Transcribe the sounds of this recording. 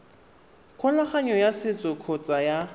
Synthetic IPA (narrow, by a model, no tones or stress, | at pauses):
kʰɔlaχaɲɔjasɪt͡sʼɔkʰɔt͡sʼaja